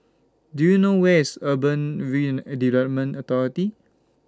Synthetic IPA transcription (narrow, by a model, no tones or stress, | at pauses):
dujunowɛsəbə̃nɹid͡ʒndivlɛt̚mə̃nɔt̪ɔɹiti